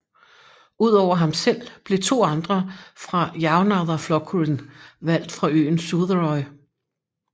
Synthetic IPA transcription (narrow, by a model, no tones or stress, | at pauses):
uð̰ˠɒʊ̰ɐɦɑ̈msel̰b̥le̝t͡sʰo̝̰ːɑ̈nd̥ʁɐfʁɑ̈jɑ̈ʊnɑðˠɐflɒ̽ɡʰunʋæl̰d̥fʁɑ̈ø̰ːn̩suðˠəʁɒɪ